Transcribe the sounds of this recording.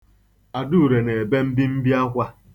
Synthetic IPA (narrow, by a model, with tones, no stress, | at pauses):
a˨du˦u˨ɾe˨ne˨be˦m̩˦bi˦m̩˦bi˦a˦kʷa˦